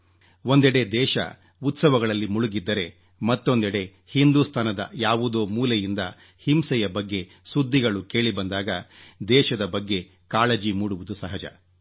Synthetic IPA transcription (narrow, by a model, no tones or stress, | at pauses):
o̞nd̪ɛɽe̞d̪ɛːʃɐ̰ | ut̪sɐʋɐɡɐɭɐlːimuɭuɡid̪ːɐɾe̞ | mɐt̪ːo̞nd̪ɛɽe̞ | hind̪ust̪ʰɐnɐd̪ɐ̰jaːʋud̪oːmuːlejind̪ɐ̰ | himsɛjɐbɐɡːe̞ | sud̪ʱːiɡɐɭuke̞ːɭibɐnd̪aːɡɐd̪ɛːʃɐd̪ɐbɐɡːe̞ | kaːɭɐd͡ʒimuːɽuʋud̪usɐɦɐd͡ʒɐ̰